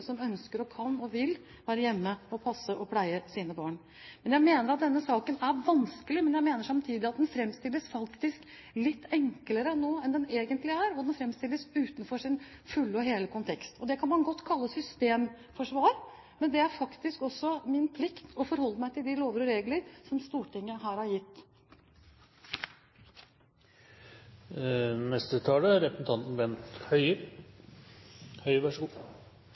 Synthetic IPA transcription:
sɔmœnskəɾɔkʰɑnːɔʋɪl | ʋæːɾəjɛmːəɔpʰɑsːəʔɔpʰlæɪəsiːnəbɑːɳ | mɛnjæɪmeːnəɾɑt̪̚d̪ɛnːəsɑːkənæɾʋɑnskəlɪmɛnjæɪmeːnəʂɑmt̪ʰiːd̪ɪɑt̪̚d̪ɛnfɾɛmst̪ɪlːəsfɑkt̪ɪsk | lɪt̪ːɛŋkləɾənoːɛnd̪ɛneːɡənt̪lɪæɾɔd̪ɛnfɾɛmst̪ɪlːəsʉːt̪nfɔʂɪn | fʉlːɔɦeːləkʰʊnt̪ʰɛkst̪ʰɔd̪ɛkʰɑnmɑnɡɔt̪ːkʰɑlːəsʏst̪eːm | fɔʂʋɑːɾ | mɛnd̪ɛæɾfɑkt̪ɪskɔsːɔmɪnpʰlɪkt̪ʰɔfɔɾhɔlːəmæɪt̪ʰɪld̪ɪloːʋəɾɔɾeːɡləɾsɔmst̪uːʈɪŋːəɦæːɾhɑɾjɪt̪ː | nɛst̪ət̪ʰɑːləɾɛpɾəsn̩t̪ʰɑnt̪n̩ʋɛnt̪hœʏə | hœʏəʋæʂɡuː

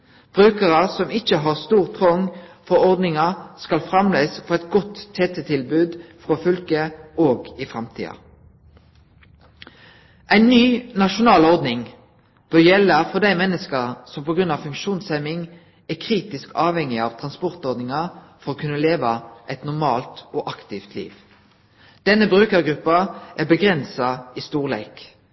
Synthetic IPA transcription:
b̥ʁʉːkəʁəsɔmɪçəɦɑʁst̪uːʁt̪ʰʁɔŋfɔʁɔʁd̪nɪŋɑskɑlfʁɑmleːsfɔʁɛt̪ɡɔt̪ʰːeːt̪ɛt̪ʰɪlbʉːd̪fʁofʏlkəoːɡɪfʁɑmt̪ʰḭːɑ̰ | ʔæɪnnyːnɑʃʊnɑːlɔʁd̪nɪŋ | b̥œjɛləfɔd̪æɪmɛnːəskəʁsɔmpɔɡʁʉnɑːʋfʉŋkʃuːnsɛmɪŋ | ækʰʁiːt̪ɪskɑːʋhɛŋɪɑːʋt̪ʰʁɑnspɔʁt̪ɔʁd̪nɪŋɑfɔʁoːkʰʉnːəleːʋɑʔɛɪt̪nʊʁmɑːlt̪oːʔɑkt̪ɪft̪ʰlḭːʋ | d̪̥ɛnəbʁʉːkəʁɡʁʉpːɑʔæːbəɡʁɛnsɑiːst̪uːʁlḛːk

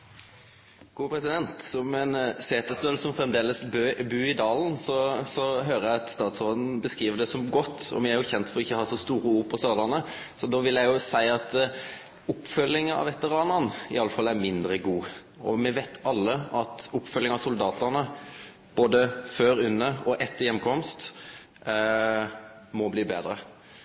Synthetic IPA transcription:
ɡ̥uːpʰɾɛsɪd̪ɛnt̪sɔmɛnseːt̪əst̪øːlsɔmfɾɛmd̪eːləsbøbʉːɪd̪ɑːln̩sɔsɔɦøːɾəæɑt̪st̪ɑːt̪sʋɑːld̪n̩bəskiːʋəd̪ɛsɔmɡɔt̪ːɔ̰mɛæɾjʊçɛnt̪fɔɾdɔɪçːəhɑːʂɔst̪uːɾəuːɾpʰɔst̪ɑːd̪ɑnə | sɔd̪oːʋɪljæɪjʊsæɪɑt̪ | ʊpːfœlːɪŋəɑ̰ʋɛt̪əɾɑːnəɾnɪ̰ɑlːəfɑlːæɾmɪnd̪ɾəɡuː | ɔmɛʋæɪt̪ɑlːəɑt̪ʊpːfœlːɪŋɑsʊld̪ɑːt̪ənə | b̥oːd̪əføːɾʉnːəɔʔɛt̪ːəɾjɛmkʰɔmst̪ | mɔbliːbeːd̪ɾə

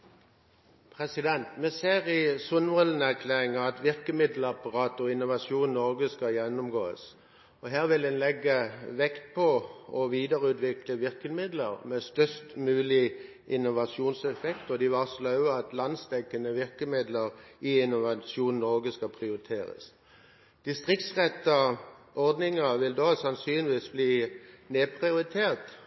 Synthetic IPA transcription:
pʰʁɛsɪd̪ɛnt̪mɛseːʁɪsʊnʋɔlənəæʁkʰleːʁɪŋəɑt̪ʋɪʁkəmɪd̪lɑpɑʁɑːt̪ɔɪnːʊʋɑsuːnnɔʁɡəskɑjɛnːʊmɡoːə̰s | ɔɦæːʁʋɪld̪ɛnlɛɡːəʋɛkt̪̚pʰɔɔʋiːd̪əʁəʉːt̪ʋɪkləʋɪʁkəmɪd̪ləʁmɛst̪œst̪mʉːlɪ | ɪnʊʋɑsuːnsɛfɛkt̪ɔd̪ɪʋɑʁslɑʉəɑt̪lɑnsd̪ɛkːənəʋɪʁkəmɪd̪ləʁɪɪnʊʋɑʃuːnnɔɡəskɑpʰʁɪʊʁɪt̪ʰeːɾə̰s | d̪̥ɪst̪ʁɪk̚t̪sʁɛt̪ːəʔɔʁd̪nɪŋəʋɪld̪oːsɑnsyːnɪʋiːsbliːneːpʰʁɪʊɾɪt̪ʰeːʁt̪

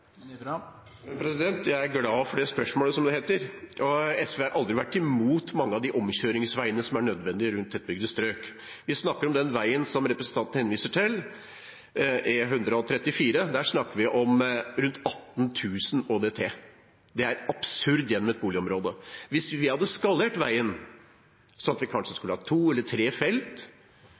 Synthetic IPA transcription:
pʰɾɛsɪd̪ɛnt̪jæɪæɾɡlɑːfɔɖeːspœʂmoːləsɔmd̪ɛheːt̪əɾʔɔɛsʋeːhɑɾʔɑld̪ɾɪʋæʈːɪmuːt̪mɑŋːəɑʋd̪ɪʔɔmɕøːɾɪŋsʋæɪənəsɔmæɳœd̪ʋɛnd̪ɪɾʉnt̪ɛt̪̚bʏɡd̪əst̪ɾøːk | ʋɪsnɑkːəɾɔmd̪ɛnʋæɪənsɔmɾɛpɾəsən̩t̪ʰɑnt̪n̩hɛnʋiːsəʈʰɪl | ɛɦʉnd̪ɾəɔt̪ʰɾɛt̪ːɪfiːɾəd̪æʂnɑkːəʋɪʔɔmɾʉnt̪ɑt̪ːnt̪ʰʉːsnoːd̪eːt̪ʰeː | d̪ɛæɾɑb̥sʉɾd̪jɛnːɔmɛt̪̚buːlɪɔmɾoːd̪əʋɪsʋɪhɑd̪ːəskɑleːʈʋæ̰ɪən | sɔnɑt̪ʋɪkʰɑnʂəskʉləhɑt̪ʰuːɛlːəʈʰɾeːfɛlt̪

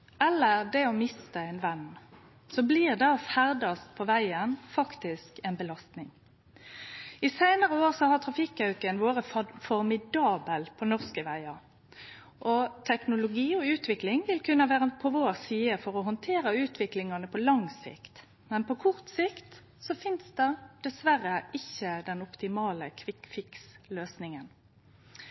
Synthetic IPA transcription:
ɛlːəʁd̪ɛɔmɪst̪əɛɪnʋɛn | sɔbliʁd̪ɛɔfæʁd̪ɑst̪̚pʰɔʋæɪənfɑkt̪ɪskɛnbəlɑst̪nɪŋ | ɪsæɪnəʁəoːʁsɔhɑʁt̪ʰʁɑfɪkːɑʉkənʋoːɾəfɔɾmɪd̪ɑːbəlpʰɔnɔʁskəʋæɪɑ | ʔɔt̪ʰɛknʊlʊɡiːɔʉːt̪ʋɪklɪŋʋɪlkʰʉnːəʋæːʁəpʰɔʋoːʁsiːəfɔʁɔɦɔnt̪ʰeːɾəʉːt̪ʋɪklɪŋɑnəpʰɔlɑŋsɪ̰kt̪ | mɛnpʰɔkʰʊʁt̪sɪkt̪ | sɔfɪnsd̪ɛd̪̥ɛsʋærəɪçːəd̪ɛnʊpt̪ɪmɑːləkʰʋɪkfɪksløːsnɪŋən

